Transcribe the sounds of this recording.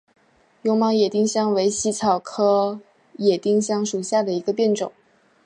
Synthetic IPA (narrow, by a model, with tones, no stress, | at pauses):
jʊ˥ŋmɑ˥ŋjɛ˨˩t̪i˥˧ŋɕjɑ˥ŋwe˧˥ɪɕi˧˥t͡sʰɑ˨˩ʊkʰɤ˥ | jɛ˨˩t̪i˥˧ŋɕjɑ˥ŋʂu˨˩ɕja˥˩d̪ə˩i˧˥ɡə˧pjɛ˥˩nʈ͡ʂʊ˨˩˦ŋ